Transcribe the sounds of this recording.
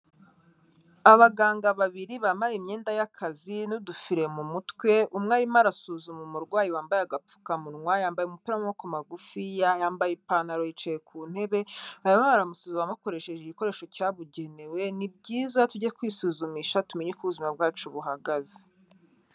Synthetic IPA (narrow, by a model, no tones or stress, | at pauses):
aβaɡaːŋɡaβaβiɾiβaːmbajemɲeːndajakʰazinudufiɾe̞mumutwe̞ʔumŋaːɾimaɾasuzumumuɾɡwaːjiwaːmbajeaɡap͡fu̥kamuɾŋwajaːmbajeumupiːɾamumokumaɡufijajaːmbajepanaɾojit͡ʃejekʰuːn̥he̞βe̞ajamaβaɾamusuːzumamako̞ɾe̞ʃeʒeɟiko̞ɾe̞ːʃo̞caβuɟe̞ne̞we̞nib̚ɟiːzatuɟaekwiːsuːzumiːʃatumeɲikuβuzumab̚ɡaːt͡ʃuβuɦaɡaze̥